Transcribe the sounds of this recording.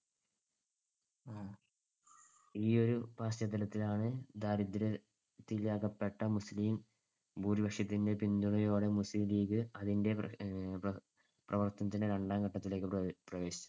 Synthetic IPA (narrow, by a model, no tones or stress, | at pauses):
iːo̞ɾupaːsjɐd̪ɐlɐt̪ːilaːɳɨd̪aːɾid̪ɾɐ | t̪ːilaːkɐpːe̞ʈːɐmusliːm | buːribɐkʂjɐt̪ːinde̞pind̪uɳɐjo̞ːɽe̞musliliːkɨɐðinde̞ | prɐʋɐrt̪ɐnɐt̪̬ːindeɾɐɳɖaːŋɡɐʈːɐt̪ːile̞ːkːɨprɐʋe̞ːɕi̥t͡ɕːu